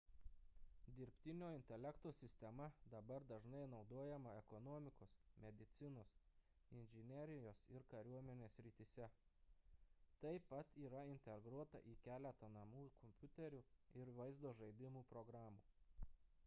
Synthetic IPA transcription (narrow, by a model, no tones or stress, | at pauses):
d̪ʲɪɾʲpʲt̪ʲɪnʲoːɪnʲt̪ʲɛlʲɛkt̪oːsʲɪsʲt̪ʲɛmɐd̪ɐbɐɾd̪ɐʒnɐɪn̪ɒʊd̪oːjɛmɐɛkɔnɔːmʲɪkoːsmʲɛd̪ʲɪt̪sʲɪnoːs | ɪnʲʒʲɪnʲɛɾʲɪjoːsɪɾkɐɾʲuɔmʲɛnʲeːsʲɾʲɪt̪ʲiːsʲɛ | t̪ɐɪpɐt̪iːɾɐɪnʲt̪ʲɛɡɾuɔt̪ɐ̰ʔiːkʲæːlʲɛt̪ɐnɐmuːkɔmʲpʲʊt̪ʲɛɾʲuɪɾʋɐɪzd̪oːʒɐɪd̪ʲɪmuːpɾɔɡɾɑːmuː